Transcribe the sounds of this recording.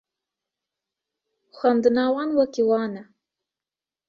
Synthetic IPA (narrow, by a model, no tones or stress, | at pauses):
xʷand̪ɨnɑːwɑnwakiwɑːna